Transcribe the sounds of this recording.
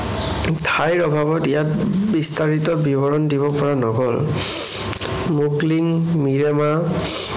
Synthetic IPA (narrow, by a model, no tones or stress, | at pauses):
tʰajɹɔbʱabɔtijatbistaɹitɔbibɔɹɔndiβɔpɔɹanɔɡɔl | mukliŋmiɹɛma